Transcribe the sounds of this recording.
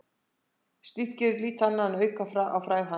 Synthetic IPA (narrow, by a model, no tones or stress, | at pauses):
st̪iθcɛɾɪliːt̪hanːaanœɥkafɾaʔa̰wfɾaːjɣɦa